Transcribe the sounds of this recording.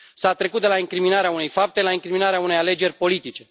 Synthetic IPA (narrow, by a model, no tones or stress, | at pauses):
sat̪ɾe̞kut̪̚d̪elaiŋkɾiminaɾeaune̞jfap̚t̪e̞laiŋkɾiminaɾeaune̞jale̞d͡ʒe̞rʲpo̞lit̪it͡ʃe̞